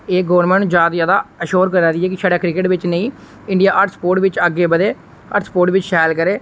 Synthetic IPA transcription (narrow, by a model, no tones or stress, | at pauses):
eːɡəʋəɾnmɛ̃ːɳzjaːd̪zjaːd̪aːəʃoːɾkəɾaːɾɪɛːkɪsaːɖaːkɾɪkɪʈʋɪt͡ʃnəĩː | ɪɳɖijaːʔəɾʈspoːɾʈʋɪt͡ʃəɡːeːbəd̪eː | əɾʈspoːɾʈʋɪt͡ʃʃɛːlkəɾeː